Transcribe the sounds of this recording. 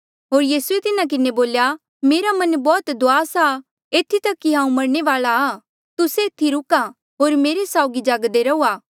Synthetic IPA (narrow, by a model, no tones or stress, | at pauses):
ɦoːɾjiːsuet̪ɪnak̬ɪneboːlja | meːɾamɐnbɔːt̪d̪ʊaːsa | eːt̪ʰːit̪ɐkːiɦãːũmɐɽɳ̃eʋaːlaː | t̪ʊseɪt̪ʰːiɾʊka | ɦoːɾmeːɾesaːʊɡid͡ʒaːɡd̪eɾɐuːaː